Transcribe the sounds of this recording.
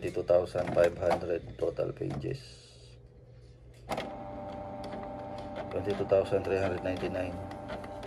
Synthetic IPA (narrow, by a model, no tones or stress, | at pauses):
t̪it̪ut̪awsand̪fajbhand̪ɾɛd̪̚t̪ot̪a̰lpḛnd͡ʒɛ̰s | t̪wɛnt̪it̪ut̪awsant̪ɾihãnd̪ɾɛd̪najnt̪inajn